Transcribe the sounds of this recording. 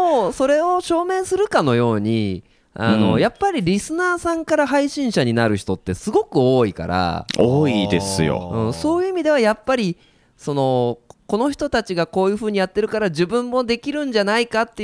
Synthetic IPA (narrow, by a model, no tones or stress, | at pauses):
oso̞ɾe̞o̞ɕo̞ːmẽ̞ɰsɨɾɯ̟kano̞jo̞ːɲ̟i | a̰no̞̰japːaɾʲiɾʲisɨnaːsãŋkaɾaɦaiɕĩɰ̃ɕaɲ̟inaɾɯ̟çi̥t̪o̞t̪ːe̞sɨɡo̞kɯ̟o̞ːika̰ɾa̰oːid̪e̞̰sɨjo̰ɯ̟̃ɴso̞ːjɯ̟imʲid̪e̞β̞ajapːaɾʲi | so̞no̞ko̞no̞çi̥t̪o̞t̪at͡ɕiɡako̞ːjɯ̟ːɸɯ̟ːɲ̟ijat̪ːe̞ɾɯ̟kaɾaʑibɯ̟̃mːo̞d̪e̞kʲiɾɯ̟̃ɲ̟d͡ʑanaikat̪ːe